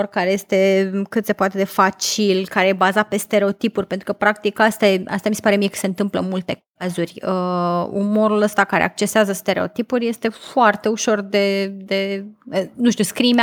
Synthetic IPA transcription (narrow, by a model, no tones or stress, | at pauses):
rkaɾe̞je̞st̪e̞kɨt̪se̞poat̪e̞d̪e̞fat͡ʃilkaɾejebazat̪̚pe̞st̪e̞ɾe̞o̞t̪ipurʲpe̞nt̪ɾukəpɾak̚t̪ikast̪aa̰st̪amisepaɾe̞mijekə̥seɨnt̪ɨmplə̰mult̪e̞kazurʲəṵmo̞ɾuləst̪akaɾḛak̚t͡ʃe̞seazəst̪e̞ɾe̞o̞t̪ipuɾʲje̞st̪e̞foart̪e̞uʃo̞rd̪e̞d̪e̞ | nuʃt̪uskɾim